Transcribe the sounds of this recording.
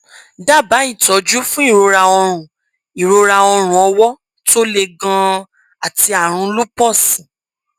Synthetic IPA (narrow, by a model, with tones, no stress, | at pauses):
da˦˨ba˨˦i˦˨tɔ˨˦d͡ʒu˦fũ˦i˦˨ɾo˨˧ɾa˧ɔ˧ɾ̃ũ˨ | i˨ɾo˧ɾa˧ɔ˧ɾ̃ũ˨ɔ˧wɔ˦ | to˦le˧ɡã˧ | a˨ti˧a˨ɾ̃ũ˧lu˦pɔ̃˦˨sĩ˨